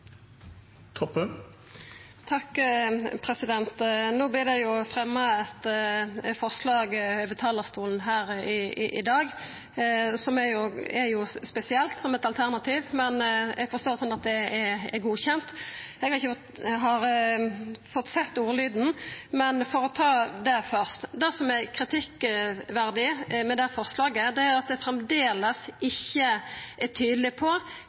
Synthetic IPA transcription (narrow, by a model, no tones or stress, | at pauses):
t̪ʰɔpːə | t̪ʰɑkːpʰɾɛsɪd̪ɛnt̪noːblɪːʁd̪ɛjʊfʁɛmːəɛt̪ | fɔʁslɑːɡøbət̪ʰɑːlɑʁst̪uːln̩ɦæːɾɪ̰ʔɪ̰d̪ɑːɡ | sɔmɛɾjʊɛjʊspɛsɪɛlt̪sɔmɛt̪ɑlt̪ʰæʁnɑt̪ʰiːʋmɛnʔɛɡfɔʁst̪oːɾsɔnːɑt̪d̪ɛɛɛ̰ɾɡuːçɛnt̪ɛɡhɑɾɪçːə | ɦɑɾ | fɔt̪ːsɛt̪ːuːlyːd̪n̩mɛnfɔɾɔt̪ʰɑːd̪ɛfœɾst̪d̪æsɔmækʰɾɪt̪ʰɪkʋæɾd̪ɪmɛd̪ɛfɔʁslɑːɡəd̪ɛæɾjʊɑt̪̚d̪ɛfɾɛmd̪eːləsɪçːəʔæt̪ʰyːd̪lɪpʰɔ